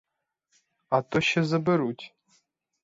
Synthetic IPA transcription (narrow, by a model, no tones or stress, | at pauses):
atʼoʃɐzɨbɨɾutʲʰʼ